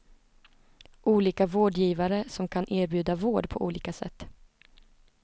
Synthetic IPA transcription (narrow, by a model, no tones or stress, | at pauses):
ʔuːliːkavoːɖjiːvaɾəsɔmkʰanʔeːɾbjʉ̟ːd̪avoːɖpʰɔʔṵːliːkasɛ̰t̪ː